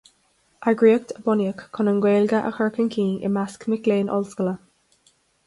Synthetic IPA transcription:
ʔaɡɹiək̚t̪ʰəbɔnjəkːʰʊnənɡweːlɡəʔə̰xəɹkənkʰiːʔɪ̰maskmɪkleːnʔɔ̰lskələ

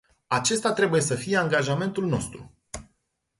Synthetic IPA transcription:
at͡ʃe̞st̪at̪ɾe̞buje̞səfije̞aŋɡaʒame̞nt̪ulno̞̰st̪ɾṵ

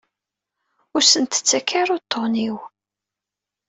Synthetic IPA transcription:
ʊɾsənt̪ə̥t͡sːækʰːaɾʊt̪ʰːoniw

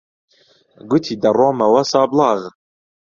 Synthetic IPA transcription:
ɡʊt̪ʰiːd̪ɐroːmɐwɐsɑːblˠɑːɣ

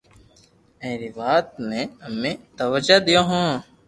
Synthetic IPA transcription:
ẽːɾiʋaːt̪̚mẽːəmẽːt̪əʋəd͡ʒaːd̪ijõːɦũː

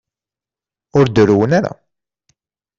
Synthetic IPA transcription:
ʊɾd̪əɾuwənaɾa̰

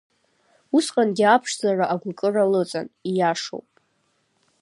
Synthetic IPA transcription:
usqʼanɡʲiapʰʂzaraʔaɡʷakʼɨralɨt͡sʼa̰nijaʂo̰wpʼ

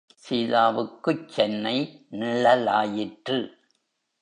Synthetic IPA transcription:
siːlaːʋɯkːɯt͡ʃːɛnːɐɪnɪɭɐla̰ːjɪʈrɯ

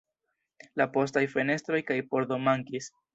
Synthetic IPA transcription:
lapo̞s̬tajfe̞ne̞stɾo̞jkajpo̞ɾd̪o̞maŋkis

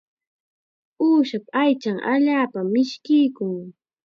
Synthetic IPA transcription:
uːʃapajt͡ʃaŋʔa̰ʎaːpamːɪʃkɪjkʊŋ

